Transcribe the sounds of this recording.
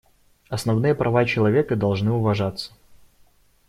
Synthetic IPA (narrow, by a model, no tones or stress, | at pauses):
ɐsnɐvnɨjəpɾʔɐvat͡ɕɪlˠɐvʲe̞kəd̪ɐlˠʐnɨʊvɐʐat̪sːə̥